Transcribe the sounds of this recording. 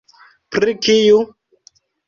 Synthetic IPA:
pɾikiju

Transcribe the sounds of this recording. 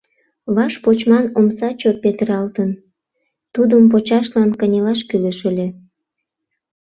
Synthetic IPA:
βɑʃpot͡ɕmɑnomsɑt͡ɕopet̪əɾɑlt̪ən | t̪ud̪əmp̬ot͡ɕɑʃlɑnkənʲelɑʃkyləʃəlʲe

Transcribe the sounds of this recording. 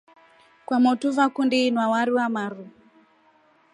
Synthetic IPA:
kwamɔtuvakundiːnwawaɾiwamaɾu

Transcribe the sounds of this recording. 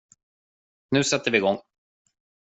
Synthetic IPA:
nʉ̟ːsɛt̪ʰːəɾvɪːɡɔŋː

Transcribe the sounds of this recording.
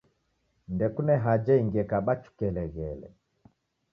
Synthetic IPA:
ndɛkunɛɦad͡ʒɛiŋɡɛkaɓat͡ʃu̥kɛlɛɣɛlɛ̰

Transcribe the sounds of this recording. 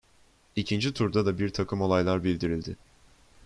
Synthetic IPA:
icʰind͡ʒit̪ʰuɾd̪ad̪abiɾt̪ʰakʰɯmo̞lˠajlˠaɾbilʲd̪iɾilʲd̪ɪ

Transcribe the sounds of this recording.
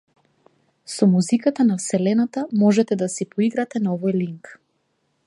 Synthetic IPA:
sɔmuzikat̪anafsɛlɛnat̪amɔʒɛt̪ɛd̪asipɔiɡɾat̪ɛnaɔvɔjliŋk

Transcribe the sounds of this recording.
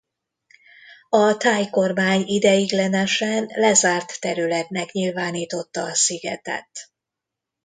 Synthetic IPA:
ɒt̪aːjko̞rmaːɲid̪ɛjiɡlɛnɛʃɛnlɛzaːrt̪ːɛɾylɛt̪nɛkɲilvaːniːt̪o̞t̪ːɒːsiɡɛt̪ɛ̰t̪

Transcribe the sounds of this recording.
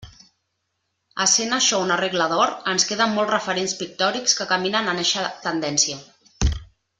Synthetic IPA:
əsenaʃɔunəreɣləðɔɾənskeðəmːɔlˠtrəfəɾenspik̚t̪ɔɾikskəkaminənaneʃət̪ənd̪ɛnsiə

